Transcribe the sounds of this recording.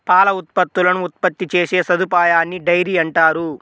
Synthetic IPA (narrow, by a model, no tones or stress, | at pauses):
paːlɐut̪̚pɐt̪ːulɐnuːt̪̚pɐt̪ːit͡ʃeːse̞ːsɐd̪upaːjaːnːiɖɐjɾiːɐɳʈaːɾu